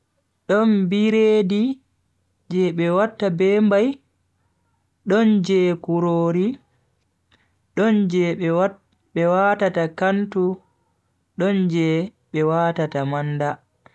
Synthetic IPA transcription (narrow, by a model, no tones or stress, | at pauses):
ɗɔnbiɾeːdi | d͡ʒɛɓɛwatːabɛːmbaj | ɗɔnd͡ʒɛkuɾoːɾi | ɗɔnd͡ʒɛ | ɓɛwatatakantu | ɗɔnd͡ʒɛ | ɓɛwaːtatamanda